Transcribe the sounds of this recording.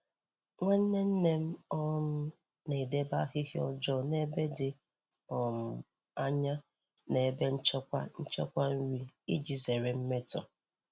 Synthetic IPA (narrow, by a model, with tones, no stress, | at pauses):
ŋʷe˦n̩˦ne˦n̩˦ne˦m̩˦ɔ˦mʊ˦ | ne˨de˦ba˦ɦɪ˦ɦɪ˦ɔ̰˦d͡ʒɔ˦ne˦be˦dɪ˨ | ɔ˨m̩˨ | a˦ɲa˦ | ne˨be˦n̩˦t͡ʃɔ˦kʷa̰˦n̩˦t͡ʃɔ̰˦kʷa˦n̩˦ɾi˨i˦d͡ʒi˨ze˨ɾe˨m̩˦me˦tɔ̰˨